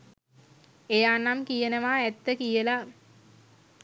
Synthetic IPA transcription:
ejaːnamkijənəʋaɛt̪ːəkijəla

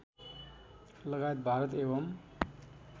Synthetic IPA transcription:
ləɡajet̪̚bʱaɾət̪eːʋəm

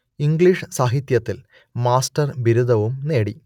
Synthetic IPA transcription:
iŋɡɭiʂsaːɦit̪jɐt̪ːil | maːsʈɐrbiɾud̪ɐʋumne̞ːɽi

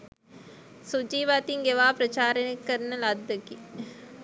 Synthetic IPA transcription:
sud͡ʒiːʋaːt̪iŋɡeʋaːpɾɐt͡ʃaːɾənkəɾnəlad̪ːəki

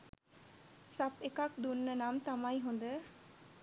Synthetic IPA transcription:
sapekak̚d̪unːənamt̪amajɦund̪ə

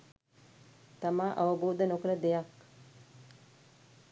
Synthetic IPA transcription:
t̪amaːʔaʋəbuːd̪ənokələd̪ejak

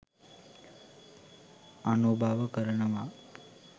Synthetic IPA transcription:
anubʱaːʋəkəɾənəʋa

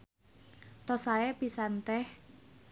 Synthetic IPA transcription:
t̪ɔsaepisant̪ɛh

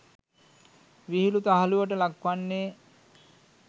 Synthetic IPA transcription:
ʋiɦilut̪aɦaluʋəʈəlakʋanːeː

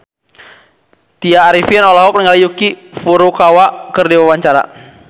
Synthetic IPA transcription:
t̪iaːɾifiɛnɔlɔɦɔk̚nəŋalijukifuɾukawaʔkərdiwawaɲt͡ʃaɾa̰

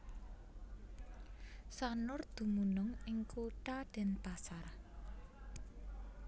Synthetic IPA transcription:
sanʊrd̪̥ṳmunʊŋɪŋkuʈaɖ̪̥ɛ̤npasar

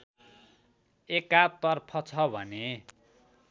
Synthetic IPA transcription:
ekat̪ʌrpʰʌt͡sʰʌbʱʌne

